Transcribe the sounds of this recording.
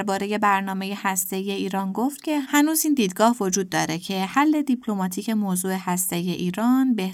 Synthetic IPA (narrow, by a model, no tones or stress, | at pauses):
ɾbɒːɾe̞je̞bæɾnɒːme̞je̞hæst̪e̞ije̞iːɾɒːnɡo̞ft̪cʰe̞hænuːziːnd̪iːd̪ɡɒːhvo̞d͡ʒuːd̪̚ːɒːɾe̞cʰe̞hælːe̞d̪ipʰlo̞mɒːt̪ʰiːce̞moːzuːe̞hæst̪e̞ije̞ʔiːɾɒːnbeh